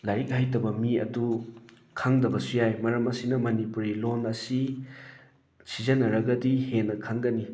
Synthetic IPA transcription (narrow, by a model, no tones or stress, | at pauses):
lajɾik̚hajtɐbɐmiɐ̰du | kʰaŋdɐbɐsujajmɐɾɐmɐsinɐmɐnipuɾilonɐsi | sʰizɐnːɐɾɐɡɐdihenːɐkʰaŋɡɐni